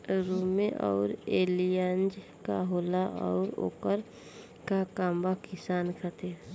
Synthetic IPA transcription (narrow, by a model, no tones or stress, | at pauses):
ɾuːmẽʔɔ̰ːɾeːlijənd͡ʒ | kaɦoːlaʔɔ̰ːɾo̰ːkəɾ | kakaːmbakɪsaːnkʰət̪e